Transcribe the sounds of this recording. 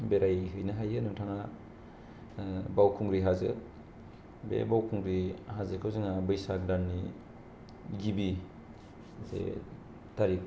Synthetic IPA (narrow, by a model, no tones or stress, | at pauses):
beɾʔajɦɯjnaɦajɯnuŋtʰaŋa | bawkʰuŋɾiɦazɯ | bḛbawkʰuŋɾihazɯkʰɯwzɯŋabɯjsak̚danːi | ɡibi | zḛ | taɾik